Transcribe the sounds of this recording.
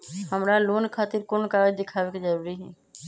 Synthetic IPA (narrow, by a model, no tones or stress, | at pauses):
ɦəmɾaloːnkʰaːt̪ɪɾkonkaːd͡ʒd̪ɪkʰaːʋekid͡ʒəɾuːɾiɦɛː